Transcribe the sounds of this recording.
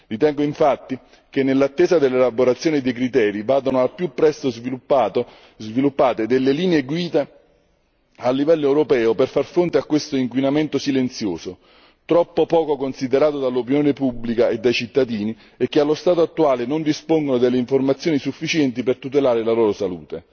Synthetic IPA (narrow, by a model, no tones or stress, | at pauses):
ɾit̪ɛŋɡoiɱfat̪ːi | kenːelːat̪ːeːzad̪elːelaboɾat̪sːjoːnid̪ek̬ɾit̪ɛːɾivaːd̪onoalpjupːɾɛst̪ozviu | zvilupːaːt̪ed̪elːeliːneeɡwiːd̪a | alːivɛlːoɛwɾopɛːʊperfarfɾont̪eakːwest̪oiŋkwinament̪osilent̪sjoːso | t̪ɾɔpːopɔːkokonsid̪eɾaːt̪od̪alːop̬injoːnepubːlikaed̪ːajt͡ʃit̪ːad̪iːni | ekːealːost̪aːt̪oat̪ːuaːlenond̪ispoŋɡonod̪elːeiɱformat̪sːjoːnisufːit͡ʃɛnt̪ipert̪ut̪̬elaːɾelaloːɾosalṵːt̪e